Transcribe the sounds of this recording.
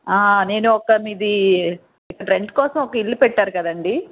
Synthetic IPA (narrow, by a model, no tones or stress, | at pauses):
aːne̞ːnuɔkɐmid̪i | ikːɐʈɾeɳʈkɔːsɐmɔkɐilːipɛʈːaːɾukɐd̪ɐɳɖi